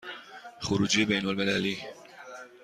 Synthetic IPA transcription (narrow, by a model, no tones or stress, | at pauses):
xʊɾuːd͡ʒebejnolmɪlæliː